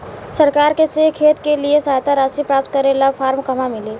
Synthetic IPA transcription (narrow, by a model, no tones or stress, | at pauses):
səɾkaːɾkesekʰeːt̪keliesaːjt̪aɾaːsipɾaːp̚t̪̚kəɾelapʰaːɾmkɐmamɪleː